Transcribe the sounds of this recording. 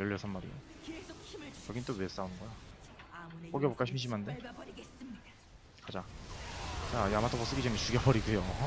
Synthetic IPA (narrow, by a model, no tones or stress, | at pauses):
jʌʎːʌsʰanmaɾḭo̰ | t͡ɕʌɡint͈owes͈aunɯnɡʌja | k͈oɡebok͈aɕʰimɕ̬ʰimande | kad͡ʑa | t͡ɕaiamatʰopos͈ɯɡit͡ɕemis͈ʰuɡjʌbʌɾiɡujo